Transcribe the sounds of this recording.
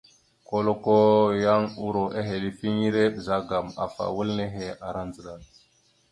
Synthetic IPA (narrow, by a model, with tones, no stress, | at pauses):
ko˦lo˦ko˦ja˦ŋu˦ɾo˨ʔe˦ɦe˨li˨fi˦ŋi˦ɾe˦ɓə˨za˦ɡa˨ma̰˨fa̰˨wə˦lne˦ɦe˨a˨ɾa˦nd͡zə˨la˨l